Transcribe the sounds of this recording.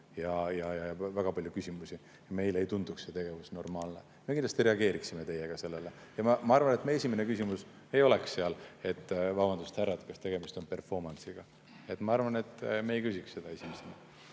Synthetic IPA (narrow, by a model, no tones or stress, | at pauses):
jɑjɑjɑjɑvæɡ̥ɑpɑljukysʲimusʲi | jɑme̞jleejt̪und̪̥uksse̞t̪e̞ɡ̥e̞vusno̞rmɑːlne̞ | mekind̪lɑst̪iɾe̞ɑɡe̞ːɾiksime̞t̪e̞jeɡ̥ɑse̞lːelejɑmɑmɑɑɾrvɑne̞t̪ːˑmeesʲimene̞kysimus | e̞jo̞leksːeɑle̞t̪ːˑvɑbɑnd̪ust̪hæɾɑd̪̥kɑst̪e̞ɡ̥e̞mist̪o̞npe̞rfo̞rmɑnsiɡ̥ɑ | e̞t̪mɑɑrvɑne̞t̪ːmeejkysʲiksse̞d̪̥ɑe̞sʲimesenɑ